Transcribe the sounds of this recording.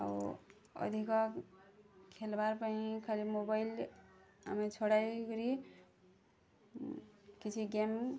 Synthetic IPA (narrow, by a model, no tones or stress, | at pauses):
a̰w | ʌ̰d̪ʱikʌ | kʰelbaɾpaĩkʰalimobajl | a̰met͡sʰoɽajɡɾi | kit͡sʰiɡem